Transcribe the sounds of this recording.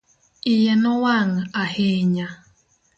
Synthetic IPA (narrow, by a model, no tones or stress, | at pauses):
ijenɔwaŋ̩aheɲa